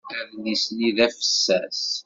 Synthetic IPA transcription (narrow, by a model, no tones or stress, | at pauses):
æðlisjiðæfə̥sːæs